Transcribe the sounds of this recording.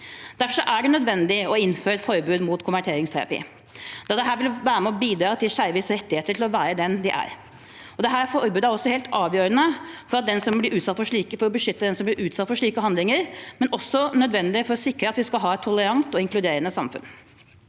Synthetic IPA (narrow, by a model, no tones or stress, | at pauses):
d̪̥æɾfɔʂɔʔæɖɛnœd̪ʋɛnd̪ɪɔɪnːføːɾɛt̪fɔɾbʉːd̪muːt̪kʰʊmʋæʈʰeːɾɪŋst̪ʰæ̰ɾɑ̰pḭː | d̪̥ɑd̪ɛɦæːɾʋɪlʋæːɾəmɛɔbiːd̪ɾɑːt̪ʰɪlɕæɾʋɪsɾɛt̪ːɪheːt̪əʈʰɪlɔʋæːɾəd̪ɛnd̪ɪʔæ̰ɾ | ɔd̪ɛɦæːɾfɔɾbʉːd̪əæɾɔsːɔheːlt̪ɑːʋjøːɾənəfɔɾɑt̪̚d̪ɛnsɔmblɪɾʔʉːt̪sɑt̪ːfɔʂɭiːkəfɔɾɔbəʂʏt̪ːəd̪ɛnsɔmblɪɾʉːt̪sɑt̪ːfɔʂɭiːkəɦɑnd̪lɪŋəɾmɛnʔɔsːɔnœd̪ʋɛnd̪ɪfɔɾɔsɪkɾəɑt̪ʋɪskɑlɦɑːɛt̪ʰːʊləɾɑŋt̪ɔɪŋklʉd̪eːɾənəsɑmfʉ̰n